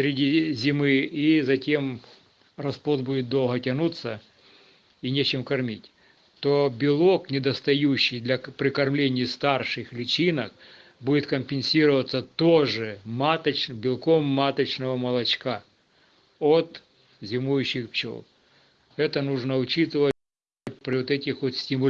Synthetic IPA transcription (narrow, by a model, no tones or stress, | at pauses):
sɾʲɪdʲizʲɪmɪizɐtʲem | rɐspot̪budʲɪt̪̚d̪o̞lˠɦɐtʲɐnut̪sːɐ | inʲet͡ɕɪmkɐrmʲitʲ | t̪obʲɪlˠoknʲɪd̪ɐst̪ɐjuɕːɪjd̪lʲɐpɾʲɪkɐrmlʲenʲɪjst̪arʂɨxlʲɪt͡ɕʲinək̚ | budʲɪt̪kɐmʲpʲɪnʲsʲiɾəʋɐt̪sːət̪oʐɨmat̪ɐt͡ɕ̪bʲɪlˠkomːat̪ɐt͡ɕnəʋɐmɐlˠɐt͡ɕka | ot̪ | zʲɪmujʉɕːɪxpt͡ɕo̰l | ɛt̪ənuʐnəʊt͡ɕit̪ɨʋə | t̚ʲpɾʲɪot̪ɛtʲɪxʋot̪sʲtʲɪmʊ